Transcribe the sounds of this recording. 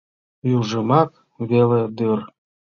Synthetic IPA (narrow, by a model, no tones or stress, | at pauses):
jyʒəmɑk | βeled̪ør